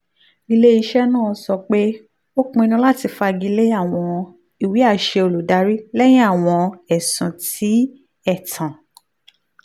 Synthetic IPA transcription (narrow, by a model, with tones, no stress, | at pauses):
ɡi˧le˦i˧ʃɛ˦nãː˦˨˧sɔ˧k͡pe˦ | o˦k͡pũ˧i˧nũ˧˦la˦˨ti˧fa˧ɡi˧le˦a˦˨w̃ɔ̃˧ | i˨wi˨˦a˦˨ʃe˧o˧lo˨da˨˦ɾi˦lɛ˦j̃ĩ˦a˦˨w̃ɔ̃˧ɛ˨sũ˨˦ti˨˦ | ɛ˦˨tʰã˨